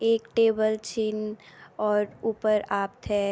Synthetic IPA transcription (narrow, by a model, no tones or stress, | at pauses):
eːkʈeːbəlt͡ʃinɔːɾuːpəɾaːpt̪ɦɛː